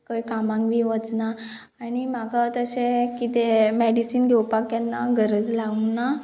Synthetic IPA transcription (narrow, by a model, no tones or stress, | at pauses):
kəjkamãŋkʋiʋət͡snaː | ɽ̃im̤aɡat̪əsekit̪emeɽisiːnɡʱɛwpakjanːaɡʱəɾəd͡zlauna